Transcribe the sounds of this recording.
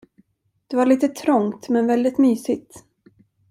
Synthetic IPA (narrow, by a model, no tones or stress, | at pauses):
d̪̥ɛvaɭiːt̪ət̪ʰɾɔŋt̪mɛnvɛld̪ɪt̪myːsɪɡt̪